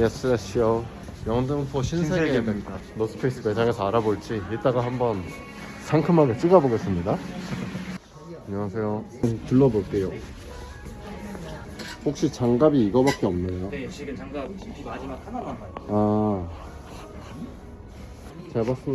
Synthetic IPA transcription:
jes͈ɯɾaɕ͈ʰijo | jʌŋdɯmpʰoɕʰins̬ʰee | nosʰɯ̥pʰes͈ɯped͡ʑʰaŋesʰʌaɾaboɭt͡ɕ͈iiɭt͈aɡaɦambʌn | sʰaŋkʰɯmaɡɯt͡ɕ͈iɡaboɡe̞s͈ɯmɲida | aɲʌŋasʰe̞jo | tɯɭːʌboɭk͈e̞jo | hok̚ɕ͈it͡ɕaŋɡabiːɡʌbak͈̚eʌmneo | a | t͡ɕaɭbas͈

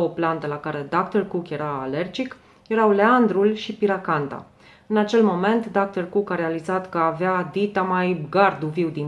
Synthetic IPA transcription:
oplant̪əlakaɾe̞d̪akt̪ərkukje̞ɾa̰ːle̞rd͡ʒik | je̞ɾawle̞and̪ɾulʃipiɾakant̪a̰ | ɨnat͡ʃe̞lmo̞me̞nt̪d̪ak̚t̪ərkukaɾe̞alizat̪kəavead̪it̪amajbɡard̪uviwd̪in

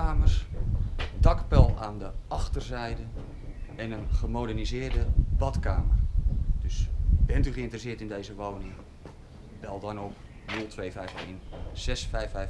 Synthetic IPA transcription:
aːmərs | dɑkpɛlˠaːndəɑχtərzɛjdən | ɛnənχəmodɛrnizɪːɹdəbɑtkaːmərd̥ɵsb̥ɛntyχəɪntrəsɪətɪndejzəʋownɪŋ | b̥ɛlˠdɔnop | nɵlˠtʋeːvɛjfejnz̥ɛsfɛjfɛj

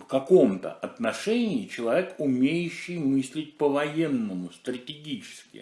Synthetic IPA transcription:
fkɐko̞mt̪ə̰ʔɐt̪nɐʂɛnʲɪɪt͡ɕɪlˠɐvʲekʊmʲejʊɕːɪjmɨsʲlʲɪt̚ʲpəvɐjenːəmʊst̪ɾətʲɪɡʲit͡ɕɪ̥skʲɪ̰

